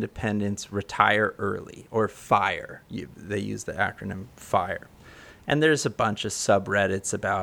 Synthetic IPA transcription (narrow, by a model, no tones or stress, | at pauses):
ndɨpʰɛ̃ndɨ̃ntsɹɨtʰaɪə˞ʔɜ̰˞lˠḭə˞faɪə̰˞jɨðeɪjʉ̰zðḭʔæ̰kɹ̥ɨnɨ̃mfaɪə̰˞ | ʔɨ̰̃nðə˞ɨzəbʌ̃nt͡ʃʌv̥sʌbɹɛɾɨtsɨbaʊ